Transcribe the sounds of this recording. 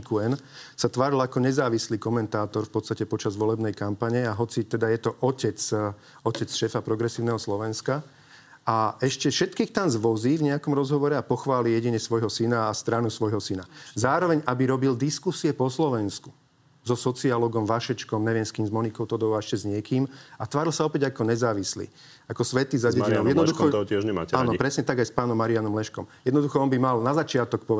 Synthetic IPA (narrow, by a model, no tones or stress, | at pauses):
kuɛnsat̪ʋaːɾilakɔɲɛzaːʋisliːkɔmɛnt̪aːt̪ɔɾfpɔt̪t͡sst̪acɛpɔt͡ʃazʋɔlɛbnɛjkampaɲɛaɦɔt͡sit̪ɛd̪ajɛt̪ɔʔɔcɛt͡s | ɔcɛt͡sʃɛːfapɾɔɡɾɛsiːʊnɛɦɔslɔʋɛnska | aɛʃcɛfʃɛt̪kiːxt̪anzʋɔziːvɲɛakɔmɾɔzɦɔʋɔɾɛapɔxʋaːlijɛɟiɲɛsʋɔjɦɔsinaːst̪ɾanusʋɔjɦɔsinazaːɾɔʋɛɲʔabiɾɔbild̪iskusiɛpɔslɔʋɛnsku̥ | zɔsɔt͡sialɔɡɔmʋaʃɛt͡ʃkɔmɲɛʋɪɛmskiːmzmɔnikɔʊt̪ɔd̪ɔʋaɛʃcɛzɲɪɛkiːmat̪ʋaːɾilsaɔpɛɟakɔɲɛzaːʋislḭː | akɔsʋɛt̪izaɟɛinɔʊɛd̪nɔd̪uxɔɔɔtɛʒɲɛma̰ːaːnpɾɛsɲɛt̪aɡajspaːnɔmːaɾianɔmlɛʃkɔmjɛd̪nɔd̪uxɔɔnbimalnazat͡ʃɪat̪ɔk̚pɔɛ